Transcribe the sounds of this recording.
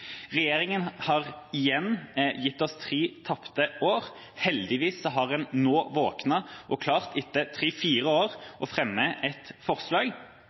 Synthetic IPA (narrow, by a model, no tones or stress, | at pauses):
ʁɛjeːʁɪŋənhɑʁɪjɛnːjɪt̪ːɔst̪ʰʁiːt̪ʰɑpt̪əʔoːʁ | hɛld̪ɪʋiːsːɔɦɑʁɛnnoːʋoːknɑʔɔkʰlɑːʁt̪ɪt̪ːət̪ʰɾiːfiːʁəoːʁʔɔfʁɛmːəʔɛt̪fɔʁslɑːɡ